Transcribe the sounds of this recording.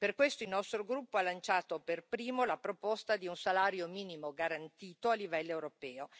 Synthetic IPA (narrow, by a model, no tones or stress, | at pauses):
perkwest̪oilnɔst̪ɾoɡɾupːoalːant͡ʃaːt̪operpɾiːmolapɾopost̪ad̪iunsalaːɾjomiːnimoɡaɾant̪iːt̪oalːivɛlːoewɾopɛːo